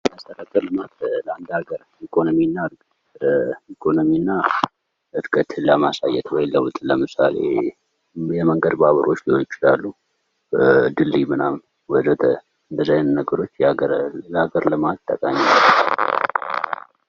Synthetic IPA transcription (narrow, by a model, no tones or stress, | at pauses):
məst̪ʰəkəkʼːəɾlɨmat̪ləand̪aɡəɾ | ikʰo̞nominːaɾ | ikʰo̞nominːa | ʔɨɾkʼət̪ləmasajɛt̪wɔjlːəwʊt̪ʼləmɨsa̰lḛ | jɛməŋɡəd̪baβəɾo̞t͡ʃːlihojɪt͡ʃɪlalːu | d̪ɨlːimɨnamn | wɔd̪ət̪ | ɨnd̪əzajnnəɡəɾo̞t͡ʃːɡəɾləaɡəɾlɨmat̪ːəkʼaɲːilː